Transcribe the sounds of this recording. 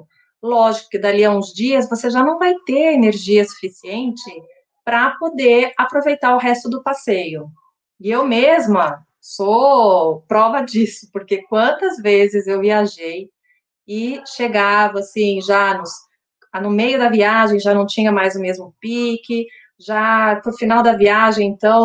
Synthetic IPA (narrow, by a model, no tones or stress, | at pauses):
lɔʒikʊ̥kɪd̪aliaũzd͡ʒiɐzvoseʒanɐ̃w̃vajt̪eɾeneɾʒiɐsu̥fisiẽnt͡ʃɪ | pɾɐpod̪eapɾovejt̪aɾʊɦɛst̪ʊd̪ʊpasejʊ | ɪewmezmɐ | so | pɾɔvɐd͡ʒisʊ̥poɾkekwɐ̃nt̪ɐzvezɪzewviaʒej | ɪʃeɡavɐasĩʒanʊs | nʊmejʊd̪ɐviaʒẽj̃ʒanɐ̃w̃t͡ʃĩɲɐmajzʊmezmʊpikɪ | ʒapɾʊfinawd̪ɐviaʒẽj̃ẽnt̪ɐ̃w̃